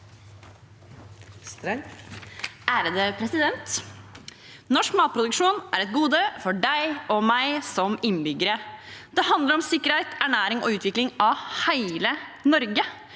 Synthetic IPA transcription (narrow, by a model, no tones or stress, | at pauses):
ʔæːɾəd̪əpʰɾɛsɪd̪ɛnt̪ | nɔʂkmɑːt̪̚pʰɾʊd̪ʉkʂuːnʔæ̰ːɾɛt̪̚ɡuːd̪əfɔɖæɪɔmæɪsɔmɪnːbʏɡəɾəd̪̥ɛhɑnd̪ləɾɔmsɪkːəɾhæɪt̪æɳæːɾɪŋo̰ːʉːt̪ʰʋɪklɪŋʔɑhæɪlənɔɾɡə